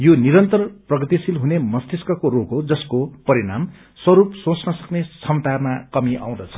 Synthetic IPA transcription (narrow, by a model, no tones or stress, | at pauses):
joniɾʌnt̪ʌrprʌɡʌt̪isilɦunemʌst̪iskʌkoɾokɦod͡zʌskopʌɾiɽa̰m | swʌɾupsõt͡snʌsʌknesʌmt̪armakʌmiʔa̰w̃d̪ʌt͡sʰʌ̥